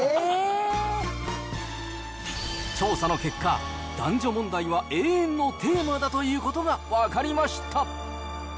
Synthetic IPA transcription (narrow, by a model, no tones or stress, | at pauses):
e | t͡ɕo̞ːsano̞ke̞kʰːa | d̪̥ãɲ̟d͡ʑo̞mõ̞nd̪aiβaʔe̞ːẽnːo̞t̪ʰe̞ːmad̪at̪o̞jiɯːko̞t̪o̞ɡaβakaɾʲimaɕi̥t̪ʰa